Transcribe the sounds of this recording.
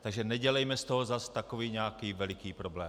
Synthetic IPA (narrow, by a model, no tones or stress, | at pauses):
t̪aɡʒɛnɛɟɛlɛjmɛst̪oɦozast̪ako̞viːɲɛakiːvɛlɪkiːpɾoblɛ̰ː